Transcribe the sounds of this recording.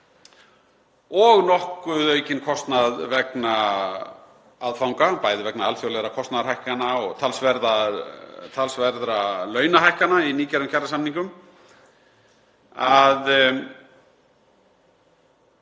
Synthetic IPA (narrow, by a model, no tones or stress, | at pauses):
ɔɣnɔhkʏðœɥcɪnkʰɔst̪naðvɛkna | aðfawŋkapaːjðɪvɛknaalfjɔwlɛɾakʰɔst̪naðaɾɦajhkanaɔɣt̪ʰalsvɛɾða | t̪ʰalsvɛɾðɾalœːɥnaɦajhkanainiːcɛɾʏmcʰaɾrasamniŋkʏm | að